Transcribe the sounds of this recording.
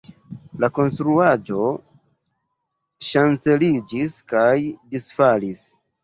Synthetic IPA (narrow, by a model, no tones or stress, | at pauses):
lako̞nstɾuad͡ʒo̞ | ʃant͡se̞lid͡ʒiskajdisfalis